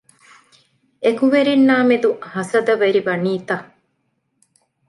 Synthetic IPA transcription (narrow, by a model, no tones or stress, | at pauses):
ekuʋeɾinːaːmed̪uhɐsɐd̪ɐʋeɾiʋɐniːt̪ɐ